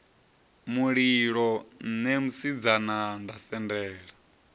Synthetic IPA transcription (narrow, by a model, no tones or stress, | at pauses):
muɺiɺɔnemusid͡zanandasɛndɛːɺa